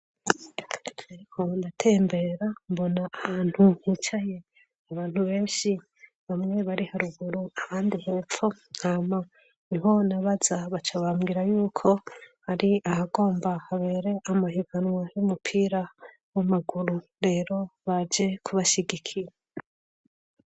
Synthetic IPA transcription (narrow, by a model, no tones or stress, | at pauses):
aɾikʰo̞ndatʰe̞ːmbe̞ɾambo̞naʔahaːn̥huhit͡ʃaje̞ | aβaːn̥huβe̞ːnʃi | βamŋe̞βaɾihaɾuɡuɾuaβaːndiheːfo | ama | niɦo̞naβazaβat͡ʃaβaːmɡiɾajuːkʰo̞haɾiahaɡo̞ːmbahaβe̞ːɾe̞ʔamaɦiɡanwajumupʰiːɾa | wamaɡuɾuɾe̞ːɾo̞βad͡ʒe̞kʰuβaʃiɡikʰiɾa